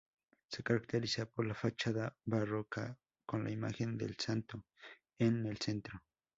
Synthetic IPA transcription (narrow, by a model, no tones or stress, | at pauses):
sekaɾakt̪eɾisapoɾlafat͡ʃaðabaroka | konlʔa̰ima̰xend̪ḛlsant̪o | enelsent̪ɾo